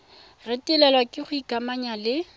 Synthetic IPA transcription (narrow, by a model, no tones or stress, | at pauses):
rɪtʼɪlɛlwakʼɪχʊikamaɲalɪ